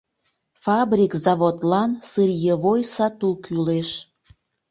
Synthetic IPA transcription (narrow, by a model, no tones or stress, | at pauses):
fɑbɾʲikzɑβot̪lɑnsɨrjəβojsɑt̪ukyleʃ